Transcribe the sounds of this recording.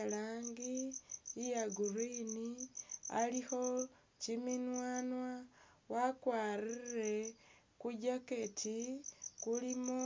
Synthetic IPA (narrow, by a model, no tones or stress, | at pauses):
laːŋɡiː | jaɡurinia̰lixo̞ | ciminwaːnwa | wakwaririre̞ | kuɟake̞tʰikulimo